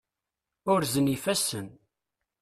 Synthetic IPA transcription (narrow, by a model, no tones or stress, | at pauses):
ʊɾzənifæsːən